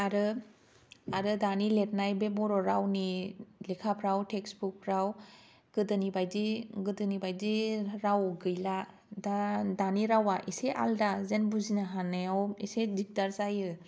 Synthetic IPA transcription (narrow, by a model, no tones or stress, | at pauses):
aɾɯ | aɾɯdanilet̚najbebɔɾɔɾawnilekʰapʰɾawtʰeksbuk̚pʰɾaw | ɡ̥ɯdɯnibajdiɡɯdɯnibajdiɾawɡɯjla | dadaniɾawaʔiseʔa̰ldazenbuzinaɦanajawisedik̚daɾzajɯ